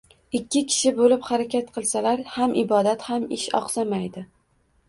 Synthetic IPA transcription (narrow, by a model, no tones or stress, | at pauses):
ɪkʲːɪkʲʰɪ̥ʃɪbolɪphaɾakʲʰat̪qʰɨlˠsalaɾhamʔɪbɒd̪at̪hamɪʃɒ̰qsamajd̪ɪ